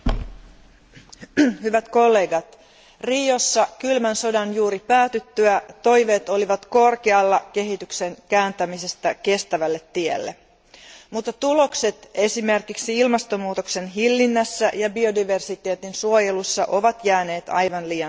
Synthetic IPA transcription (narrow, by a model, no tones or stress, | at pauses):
hyʋæt̪ko̞lːe̞ːɡɑt̪ | riːo̞sːɑkylmænso̞dɑnjuːɾipæːt̪yt̪ːyæt̪o̞jʋe̞ːt̪o̞liʋɑt̪ko̞rkeɑlːɑke̞ɦit̪ykse̞ŋkæːnt̪æmise̞st̪æke̞st̪æʋælːe̞t̪ːiḛlːḛ | mut̪ːɑt̪ulo̞kse̞t̪e̞sime̞rkiksiilmɑst̪omuːt̪okse̞nɦilːinːæsːæʔjɑbio̞diʋe̞rsit̪e̞ːt̪insuojelusːɑʔo̞ʋɑt̪jæːne̞ːt̪ɑ̰jʋɑnliːɑn